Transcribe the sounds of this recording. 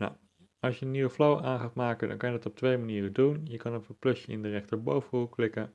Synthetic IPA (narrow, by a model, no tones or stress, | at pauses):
na̰w | ɑlˠsjəəniwəflowʔaːnχaːtmaːkədɑ̰ŋkɑnjədɑtɔp̚tʋejmaniːrədunjəkɑnɔpətplɵsjəɪ̰ndərɛχtəɹbowvənuklɪkə